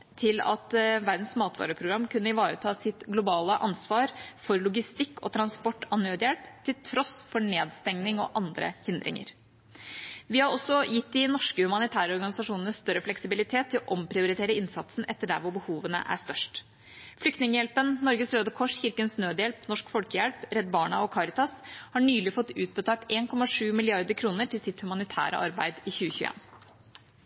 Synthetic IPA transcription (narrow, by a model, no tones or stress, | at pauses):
t̪ʰɪlɑ̰t̪ʋæɾd̪n̩smɑːt̪ʰʋɑ̰ːɾəpʰɾʊɡɾɑmːkʰʉnːəɪʋɑːɾət̪ʰɑːsɪt̪ɡlʊbɑːləʔɑnsʋɑːɾfɔɾlʊɡɪst̪ɪkːɔ̰t̪ʰɾɑnspɔʈːɑnːøːd̪əjɛlpt̪ʰɪlt̪ʰɾɔsfɔɳeːd̪st̪ɛŋnɪŋɔ̰ʔɑnd̪ɾə̰hɪnd̪ɾɪ̰ŋə̰ɾ | ʋɪhɑɾɔsːɔjɪt̪ːd̪ɪnɔʂkəhʉmɑnɪt̪ʰæːɾəɔɾɡɑnɪsɑʂuːnənəst̪œɾəflɛksɪbɪlɪt̪ʰeːt̪ʰːɪlɔʔɔmpʰɾɪʊɾɪt̪ʰeːɾəɪnsɑt̪sn̩ʔɛt̪ːəɖæ̰ɾʋʊɾbəhuːʋənə̰ʔæ̰ʂt̪œʂʈ | flʏkt̪nɪŋəjɛlpənnɔɾɡəsɾøːd̪əkʰɔʂçɪɾkənsnøːd̪əjɛlpnɔʂkfɔlkəjɛlpɾɛd̪bɑːɳɑɔkʰɑɾɪt̪ɑshɑɳyːlɪfɔt̪ːʉːt̪̚bət̪ʰɑːʈeːnkʰɔmɑʂʉːmɪlɪɑɾd̪əɾkʰɾuːnəʈʰɪlsɪt̪hʉmɑnɪt̪ʰæ̰ːɾə̰ʔɑ̰ɾbæ̰ɪd̪ɪçʉːəçʉːʔḛːn